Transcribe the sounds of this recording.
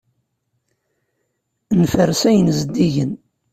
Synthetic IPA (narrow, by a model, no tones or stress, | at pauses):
nfəɾsæjənzəd̪ːiʝən